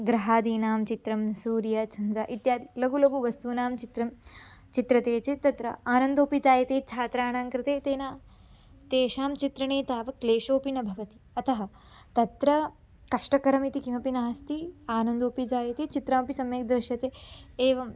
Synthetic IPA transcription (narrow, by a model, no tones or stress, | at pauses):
ɡɾɐɦaːd̪iːnaːmt͡ʃit̪ɾɐmsuːɾjɐt͡ʃʰɐnd͡ʒaːʔit̪jaːd̪ilɐɡulɐɡuʋɐst̪uːnaːmt͡ʃit̪ɾɐm | t͡ʃit̪ɾɐt̪eːt͡ʃet̪ɐt̪ɾɐaːnɐnd̪oːpid͡ʒaːjɐt̪eːt͡ʃʰaːt̪ɾaːnaːŋkɾɪt̪eːt̪eːnaː | t̪eːʃaːmt͡ʃit̪ɾɐɳeːt̪aːʋɐkleːʃoːpinɐbʱɐʋɐt̪i̥ | ɐt̪ɐɦɐ | t̪ɐt̪ɾɐ | kɐʂʈɐkɐɾɐmit̪ikimɐpinaːst̪iaːnɐnd̪oːpid͡ʒaːjɐt̪eːt͡ʃit̪ɾaːmpisɐmjeːk̚d̪ɐʃjɐt̪eeːʋɐm